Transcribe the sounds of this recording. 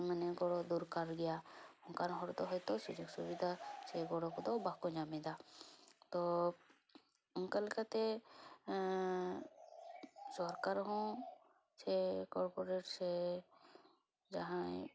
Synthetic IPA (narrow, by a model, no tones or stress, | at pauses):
manɛɡɔɽɔd̪uɾkaɾɡɛjaɔŋkaɾɔ̃ɦɔɾt̪ɔɦɔjt̪ɔsud͡ʒoɡsubid̪ʱasɛɡɔɽɔkɔd̪ɔwbakɔd͡ʒamɛd̪at̪ɔ | ɔŋkalikat̪ɛ | sɔɾkaɾɦɔ̃ | sɛkɔɾpɔɾeʈsɛ | d͡ʒaɦã